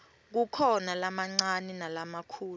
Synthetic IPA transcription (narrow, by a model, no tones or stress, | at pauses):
k̬ukʰɔnalamaŋ͡ǀanɛnalamakʰuːl